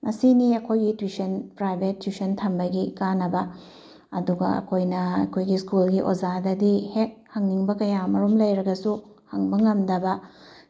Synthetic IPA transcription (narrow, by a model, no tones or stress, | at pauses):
mɐsiniɐkʰojɡitwisɐnpɾajbetːwisɐntʰɐmbɐɡikanːɐbɐ | ɐduɡɐ̰ɐ̰kʰojnɐɐ̰kʰojɡiskulɡiʔozadɐdihek̚hɐŋniŋbɐkɐjamɐɾomlɐjɾɐɡɐsuhɐŋbɐŋɐmdɐbɐ